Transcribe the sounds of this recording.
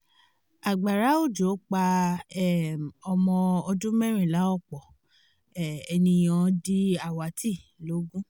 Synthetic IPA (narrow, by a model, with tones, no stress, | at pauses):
a˨ɡ͡ba˨ɾa˨˦o˦˨d͡ʒo˨˦k͡pa˧ɛ˦˨ɔ˧mɔ̃˧ɔ˧d͡ʒũ˦mɛ̃˦ɾ̃ĩ˦˨la˨˦ɔ˦˨k͡pɔ˨ | ɛ˨ɛ˧nĩ˧j̃ã˨˧di˧a˨wa˨ti˦˨lo˨˦ɡũ˦